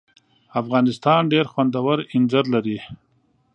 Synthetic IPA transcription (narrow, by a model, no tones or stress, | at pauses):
afɣɑːnɪst̪ɑːnɖeɾxwand̪awaɾɪnzaɾlaɾi